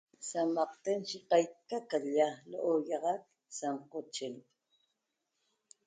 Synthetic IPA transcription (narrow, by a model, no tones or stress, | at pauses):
samɑqt̪enʃiqɑjkakajalo̰ʔojɑʁɑk̪̚ | samqot͡ʃɪn